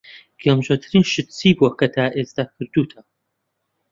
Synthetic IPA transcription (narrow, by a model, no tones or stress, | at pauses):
ɡ̥ɛmʒot̪ʰɨɾiːnʃɨt̪t͡siːbuɐkʰɐt̪ʰaːʔeːst̪akʰɨɾd̪uːt̪ʰɐ